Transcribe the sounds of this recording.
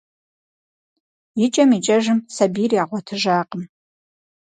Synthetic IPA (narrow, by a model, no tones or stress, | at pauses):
jɪt͡ʃʼɐmit͡ʃʼɐʒɨmsɐbiːriaːʁʷɔtʰɨʒaːqʼəm